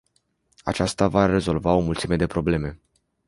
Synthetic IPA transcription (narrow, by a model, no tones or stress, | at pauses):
at͡ʃast̪avaɾe̞zo̞lvao̞mult̪sime̞d̪e̞pɾo̞ble̞me̞